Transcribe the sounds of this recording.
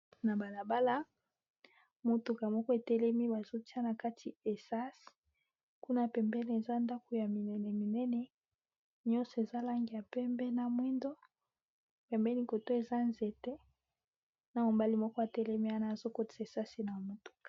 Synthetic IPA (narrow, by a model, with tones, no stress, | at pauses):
na˨ba˨la˨ba˦la˦ | mo˨tu˨ka˨mɔ˦kɔ˦e˨tɛ˦lɛ˦mi˦ba˨zo˦ti˦a˦na˨ka˦tʰi˨e˨sa˦si̥˨ | ku˦na˦pɛ˨mbɛ˦ni˨e˨za˦nda˦ko˨ja˨mi˨nɛ˨nɛ˨mi˨nɛ˦nɛ˨ | ɲɔ˦nsɔ˨e˨za˦la˦ŋɡi˨ja˨pɛ˦mbɛ˦na˨mwi˦ndo˦ | pɛ˨mbɛ˦ni˦ko˨to˦e˨za˦nze˨tɛ˦ | na˨mo˨ba˦li˦mɔ˦kɔ˦a˨tɛ˦lɛ˦mi˦a˦naː˦˨zo˦ko˦ti̥˨sa˨e˨sa˦si˨na˨mo˨tu̥˨kḁ˨